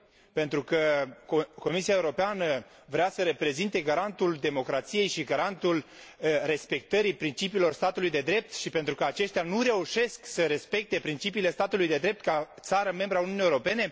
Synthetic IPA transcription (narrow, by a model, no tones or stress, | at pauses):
pe̞nt̪ɾukə | ko̞misiaeuɾo̞peanə | vɾeasəɾe̞pɾe̞zint̪e̞ɡaɾant̪uld̪e̞mo̞kɾat̪sije̞jʃiɡaɾant̪ulre̞spe̞k̚t̪əɾipɾint͡ʃipiːlo̞rst̪at̪ulujd̪e̞d̪ɾe̞p̚t̪ʃipe̞nt̪ɾukəat͡ʃe̞ʃt̪eanuɾe̞uʃe̞sksəɾe̞spe̞k̚t̪e̞pɾint͡ʃipiːle̞st̪at̪ulujd̪e̞d̪ɾe̞p̚t̪̚kat̪saɾəme̞mbɾəauniunijewɾo̞pe̞ne̞